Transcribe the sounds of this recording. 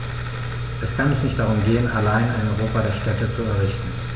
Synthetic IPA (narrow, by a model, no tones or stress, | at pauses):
ʔɛskʰanɛsnɪçt̚d̥aʁʊmɡeːənalaɪnaɪnɔʏʁoːpadeːɐʃtɛtət͡suɛɐʁɪçtn̩